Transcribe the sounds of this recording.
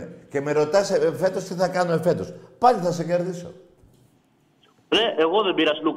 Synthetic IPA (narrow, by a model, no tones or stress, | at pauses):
ekemeɾot̪aseefet̪osθiθakanoefet̪uspaʎiθas̬ekeɾðiso̰ | ɾeʔeɣoðemiɾaslu